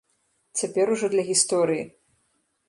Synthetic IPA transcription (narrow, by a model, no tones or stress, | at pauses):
t͡sʲapʲɛɾuʐɔd̪lʲɐɣʲist̪ɔɾɨjḭ